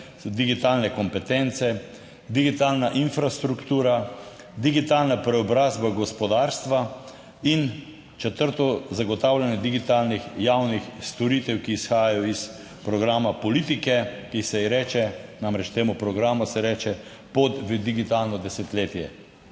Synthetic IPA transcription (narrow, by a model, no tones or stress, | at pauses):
d̪iɡit̪alnɛkɔmpɛt̪ɛnt̪sɛ | d̪iɡit̪aːlnaʔinfɾast̪ɾukt̪uːɾa | d̪iɡit̪aːlnapɾɛɔbɾaːzbaɡɔspɔd̪aɾst̪ʋa | in | t͡ʃɛt̪əɾt̪ɔzaɡɔt̪awlʲanjɛd̪iɡit̪aːlnixjawnixst̪ɔɾit̪ɛwkiːsxaːjajɔis | pɾɔɡɾaːmapɔlit̪ikɛkisɛɾɛːt͡ʃɛnamɾɛt͡ʃt̪eːmupɾɔɡɾaːmusɛɾɛːt͡ʃɛ | pot̪ʋəd̪iɡit̪alnɔd̪ɛsɛt̪leːt̪jɛ